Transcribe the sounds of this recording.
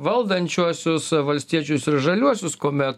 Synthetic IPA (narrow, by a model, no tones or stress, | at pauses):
ʋɐlˠd̪ɐnʲt͡ʃʲuɔsʲʊsʋɐlʲsʲt̪ʲiɛt͡ʃʲʊsɪɾʒɐlʲuɔsʲʊskoːmʲɛt̪